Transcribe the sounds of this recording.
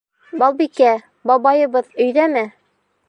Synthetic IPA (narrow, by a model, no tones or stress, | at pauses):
bɑlˠbikæ | bɑbɑjɤ̆bɤðɵ̆jðæmɘ